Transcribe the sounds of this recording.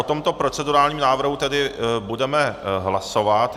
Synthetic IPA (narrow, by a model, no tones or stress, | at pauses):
ot̪o̞mt̪o̞pɾo̞t͡sɛduɾaːlɲiːmnaːvr̩ɦut̪ɛdɪbudɛmɛɦlaso̞vat̪